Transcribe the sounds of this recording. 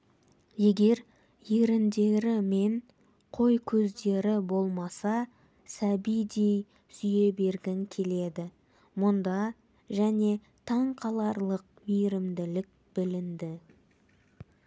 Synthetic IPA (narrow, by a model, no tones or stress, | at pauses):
je̞ɡʲe̞ɾ | je̞ɾɪnd̪e̞ɾɪme̞ɴ | qʰo̞jkʲʰɵzd̪e̞ɾɪbo̞lˠmɑsɑ | sæbijd̪e̞j | sʏje̞be̞ɾɡʲɪŋkʲʰe̞le̞d̪ɪ | mʊnd̪ɑ | ʒæne̞ | t̪ʰɑɴqʰɑlˠɑɾlˠəq̚mijɾɪmd̪ɪlɪk̚ | b̥ɪlɪnd̪ɪ